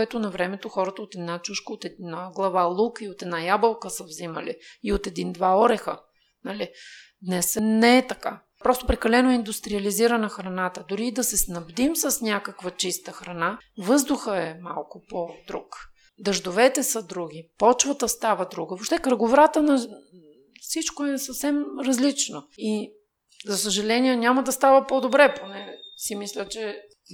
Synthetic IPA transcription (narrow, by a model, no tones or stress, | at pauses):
kɛt̪onɐvɾɛmɛt̪oxɔɾɐt̪əot̪ɛd̪nat͡ʃuʃkəot̪ɛd̪naɡlˠɐvalˠukiot̪ɛd̪najabəlˠkəsəvziməliːot̪ɛd̪ind̪vaɔɾɛxə̰ | nɐli | d̪nɛsnɛːt̪ɐka | pɾɔst̪opɾɛkɐlɛnoɛind̪ust̪ɾiɐliziɾənəxɾɐnat̪əd̪ʊɾiːd̪ɐsɛsnɐbd̪imsɐsnʲakəkvɐt͡ʃist̪əxɾɐnavɤzd̪ʊxəɛma̰lˠkʊpod̪ɾṵk | d̪ɐʒd̪ovɛt̪ɛsɐd̪ɾuɡ̟ipɔt͡ʃvət̪əst̪avəd̪ɾuɡəvoʃt̪ɛkɾɐɡovɾat̪ənɐ | fsit͡ʃkoɛsɐfsɛmɾɐzlit͡ʃnoi | zɐsəʒɐlɛniɛnʲaməd̪ɐst̪avəpod̪obɾɛponɛsimislʲət͡ʃɛ